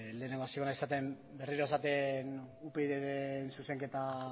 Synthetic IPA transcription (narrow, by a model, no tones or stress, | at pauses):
le̞ːneŋɡasikonaesat̪e̞m | be̞riɾoe̞sat̪e̞nupe̞iðeɾensuse̞ŋke̞t̪a